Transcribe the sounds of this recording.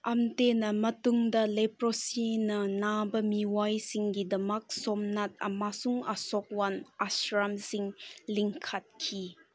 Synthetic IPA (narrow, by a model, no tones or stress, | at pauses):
ɐmtenɐmɐtuŋdɐlepɾosinɐnabɐmiwajsiŋɡidɐmɐk̚sɔmnat̚ɐ̰masuŋasɔk̚wanasɾamsiŋliŋkʰat̚kʰi